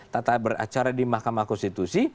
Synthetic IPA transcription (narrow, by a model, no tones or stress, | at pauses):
t̪at̪abəra̰t͡ʃaɾadimahkamahkɔnst̪it̪usi